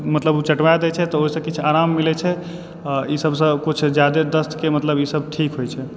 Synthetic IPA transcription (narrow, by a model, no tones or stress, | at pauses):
mət̪ləbut͡ʃəʈʋajd̪ɛt͡ʃʰɛt̪ɔoɦisə̃kit͡ʃʰaɾamːilɛt͡ʃʰɛ | aisəbsə̃kut͡ʃʰd͡ʒjad̪ed̪əst̪kemət̪ləbisəbʈʰikɦojt͡ʃʰɛ